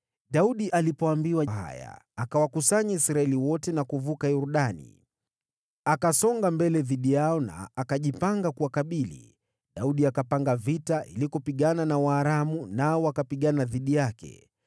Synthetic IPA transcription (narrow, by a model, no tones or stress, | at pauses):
ɗauɗiʔalipɔambiwaɦa̰ja̰akawakusaɲaisɾaɛliwɔtɛnakuvukajuɾuɗanḭ | akasɔŋɡambɛlɛðiɗijaɔna̰ːkaʄipaŋɡakuwakaɓilḭ | ɗauɗiakapaŋɡavitaʔḭlikɔpiɠananawaːɾamunaɔwakapiɠanaðiɗijakɛ̰